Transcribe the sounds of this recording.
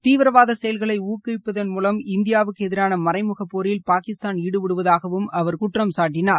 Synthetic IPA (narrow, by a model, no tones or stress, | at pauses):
t̪iːʋɪɾɐʋaːðɐsɛjɐlɣɐɭɐɪuːkːɯɪpːɐðɐnmuːlɐmɪnd̪ɪjaːʋɯkːɛðɪɾaːnɐmɐrɐɪmɯɣɐpːoːɾjɪlpaːkɪst̪aːniːɽɯʋɪɽɯʋɐðaːɣɐʋɯmɐʋɐɾkʊʈrɐmsaːʈːɪnaːɾ